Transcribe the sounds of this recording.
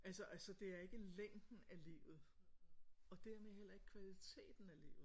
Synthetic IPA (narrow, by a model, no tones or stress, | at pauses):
ælsɐʔælsɒd̥e̝æɐe̝ɡ̥əleŋ̰d̥n̩ælḭːʊð̩ˠ | ɒ̽d̥æɐmehel̰ɐe̝ɡ̥ə̥kʰʋælit͡sʰe̝̰ːd̥n̩ælḭːʊð̩ˠ